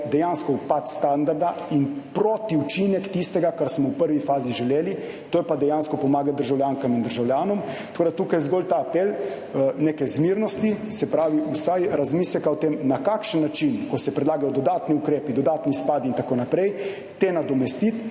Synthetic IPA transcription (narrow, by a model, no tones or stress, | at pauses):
d̪ɛjanskɔupat̪st̪and̪aɾd̪ainpɾot̪iut͡ʃinɛkt̪ist̪ɛɡakaɾsmɔwpəɾʋifaːziʒɛleːli | t̪oːjɛpad̪ɛjanskɔpɔmaːɡat̪̚d̪əɾʒawljaːŋkamind̪əɾʒawljaːnɔmt̪ɐkoːd̪at̪ukajzɡolt̪aːpel | neːkɛzmiɾnɔst̪isɛpɾaːʋiʔusajɾazmiːslɛkaɔt̪eːmnakakʃənːat͡ʃinkɔsɛpɾɛd̪laːɡajɔd̪ɔd̪aːt̪niukɾeːpid̪ɔd̪aːt̪nispad̪int̪akoːnapɾɛj | t̪enad̪ɔmɛst̪it̪